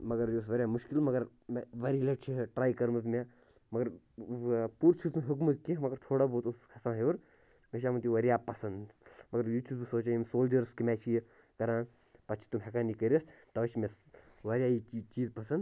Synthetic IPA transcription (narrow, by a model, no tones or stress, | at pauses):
mɐɡɐɾjos̬ʋɐɾʲjaːmuʃkilmɐɡɐɾ | mʋɐɾilɐʈt͡ʃʰiʈɾaːjkɐɾmɐzme | mɐɡɐɾ | puːɾt͡ʃʰizɦukmɐt̪kimɐɡɐɾt̪ʰoːɽaboːt̪uskʰɐsãːɦeuɾ | meʃ̬aːmɐnt̪iʋɐɾjaːpɐsɐnd̪mɐɡɐɾjuːtʰuːb̪usoːt͡ʃajimsoːld͡ʒɐɾskimeːt͡ʃʰij | kɐɾãːn | pɐt͡ʃʰi̥t̪umɦekaːnikɐɾʲiɐst̪t̪ɐʋɐt͡ʃʰimes | ʋɐɾjaːit͡ʃiːzpɐsɐnd̪